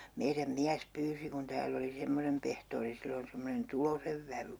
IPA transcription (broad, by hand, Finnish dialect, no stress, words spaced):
meiræm miæs pyːsi kun tæːlː oli semːonem pehtoːri silːon̞ semːonen tuloseʋ ʋæʋy